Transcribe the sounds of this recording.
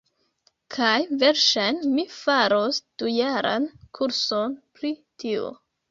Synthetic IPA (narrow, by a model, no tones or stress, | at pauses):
kʰajveɾʃajnmifaɾosd̥ujaɾa̰nkʰuɾsonpɾitʰio̰